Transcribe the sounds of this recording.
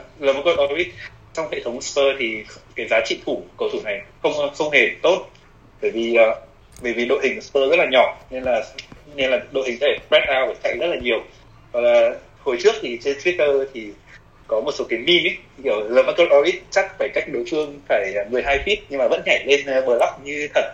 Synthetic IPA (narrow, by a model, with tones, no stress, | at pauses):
ləː˧˩ma˧˦˥kə˧ʔɔ˧wi˦˥t̚ | t͡ɕɔ˧wŋ͡mhḛ˧˨t̪ʰə˨˦wŋ͡mspəː˧t̪ʰi˨˩kaː˨˦jzaː˨˦t͡ɕḭ˧˨t̪ʰu˧˩kə˨˩wt̪ʰu˧˩na˨˩jxə˧wŋ͡mxə˧wŋ͡mhe˨˩t̪o˦˥t̚ | ɓəː˧˩jvi˨˩ʔəː˨˩ | ɓəː˧˩jvi˨˩ɗo̰˧˨jɦï˨˩ŋ˨spəː˧zə˦˥t̚laː˨˩ɲɔ˧˩ne˧nlaː˨˩ne˧nlaː˨˩ɗo̰˧˨jhï˨˩ŋʰ˧˦a˧˩ɓɛ˦˥t̚ʔaː˧wʔə˧˩t͡ɕa̰˧˩˨jzə˦˥t̚laː˨˩ɲi˨˩əw | vɔ˨˩k̚laː˨˩ | ho˨˩jt͡ɕɨ˦˥ək̚t̪ʰi˨˩t͡ɕe˧nt̪wi˦˥t̪əː˧t̪ʰi˨˩ | kɔ˨˦mo˨˩t̚so˨˦kaː˨˦jmi˧mi˦˥i˧˩ə˨˩wləː˧˨˩ma˧˥kə˧lʔɔ˧ʔi˦˥t̚t͡ɕa˦˥k̚faː˧˩jka˦˥jk̚ɗo˨˦fɨ˧əŋfaː˧˩jmɨ˨˩əjɦaː˧jfi˦˥t̚ɲɨ˧ŋmaː˨˩və̰˧˥nhɛ˧˩le˧n˨ɓəː˨˩la˦˥k͡p̚ɲɨ˧t̪ʰə˨˩t̚